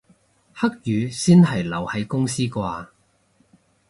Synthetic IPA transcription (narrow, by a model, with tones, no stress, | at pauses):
hɐ˥k̚jyː˨˧siː˥nɦɐ˨˩jlɐ˨˩whɐ˨˧jkʊ˥ŋsiː˥kʷaː˧